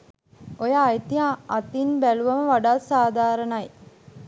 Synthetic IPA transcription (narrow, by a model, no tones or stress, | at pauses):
ojaːjt̪iɦãːt̪inbæluʋaməʋaɖaːsaːd̪ʱaːɾənaj